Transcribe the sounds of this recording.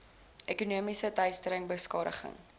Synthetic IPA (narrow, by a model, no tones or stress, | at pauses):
ʔekunuəmisətœjstəɾəŋbəskɑːɾə̰χə̰ŋ